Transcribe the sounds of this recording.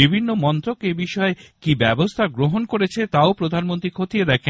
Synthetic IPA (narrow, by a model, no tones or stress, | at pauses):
ibʱinːomɔnt̪ɾokebiʃɔekibɛbost̪ʰaɡɾoɦonkoɾet͡ɕʰet̪aopɾod̪ʱanmont̪ɾikʰot̪ied̪ɛkʰe